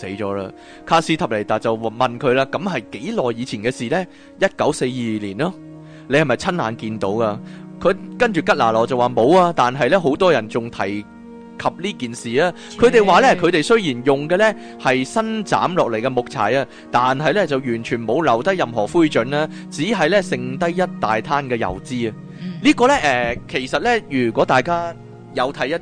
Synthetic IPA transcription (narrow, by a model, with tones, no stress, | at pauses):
se˨˥jt͡ʃɔː˨˥la̰ː˧ | kʰaː˧siː˨˧t̪ʰɐ˨p̚le˨˩t̪aː˨˩t͡sɐ˨wmɐ˨nkʰɵ˨˧ɥlaː˧kɐ˨˥mɦɐ˨jke˨˥jlɔː˨jːiː˨˧t͡sʰiː˨˩nkɛː˧siː˨lɛ˥ | jɐ˥t̚kɐ˨˥wse˧jːiː˨liː˨˩nlɔː˥ | le˨˧hɐ˨˩mɐ˨jt͡sʰɐ˥nlaː˨˧nkiː˧nt̪o̰˨˥wkaː˧kʰɵ˨˧kɐ˥nt͡ʃyː˨kɐ˥t̚laː˨˩lɔː˨˩t͡sɐ˨waː˨˩mo˨˧waː˧t̪aː˨nɦɐ˨jlɛ˥ɦo˨˥wt̪ɔː˥jɐ˨˩nt͡sʊ˨ŋt̪ʰɐ˨˩j | kʰɐ˨p̚liː˥kiː˨nsiː˨aː˥ | kʰɵ˨˧ɥt̪e˨jwaː˨˧lɛ˥kʰɵ˨˧ɥt̪e˨jsɵ˥ɥjiː˨˩njʊ˨ŋkɛː˧lɛ˥ | hɐ˨jsɐ˥nt͡sa̰ː˨˥mlɔː˨k̚le˨˩jkɛː˧mʊ˨k̚t͡sʰa̰ː˨˩jɐː˧ | t̪aː˨nɦɐ˨jlɛ˥t͡sɐ˨wjyː˨˩nt͡ʃʰyː˨˩nmo˨˧wlɐ˨˩wt̪ɐ˥jːɐ˨mɦɔː˨˩fuː˥jt͡ʃɵ˨˥naː˧ | t͡siː˨˥ɦɐ˨jlɛ˥sɪ˧ŋt̪ɐ˥jːɐ˥t̚t̪aː˨jt̪ʰaː˥nkɛː˧jɐ̰˨˩wt͡siː˥ɐ˧ | liː˥kɔː˧lɛ˥ʔɛː˨kʰe˨˩jsɐ˨t̚lɛ˥jyː˨˩kʷɔː˨˥t̪aː˨jkaː˥ | jɐ˨˧wt̪ʰɐ˨˥jɐ˥t̚